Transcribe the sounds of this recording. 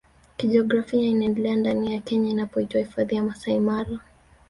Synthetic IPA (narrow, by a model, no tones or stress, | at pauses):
kiʄiɔɡɾafiainaɛndɛlɛandanijakɛɲainapɔitwahifaðijamasaimalɔ